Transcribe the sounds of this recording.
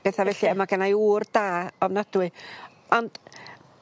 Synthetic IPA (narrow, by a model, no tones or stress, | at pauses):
ɛθavɛɬiəmaɡanajuːrd̥aːɔvnadwɨ | ɔnd̥